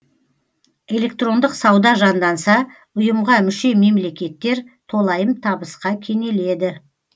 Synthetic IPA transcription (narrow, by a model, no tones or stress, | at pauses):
e̞le̞k̚t̪ro̞nd̪əqsɑwd̪ɑʒɑnd̪ɑnsɑ | ʊjəmʁɑmʏʃe̞me̞mle̞kʲe̞t̪ːe̞ɾt̪ʰo̞lˠɑjəmt̪ʰɑbəsqɑkʲʰe̞ne̞le̞d̪ɪ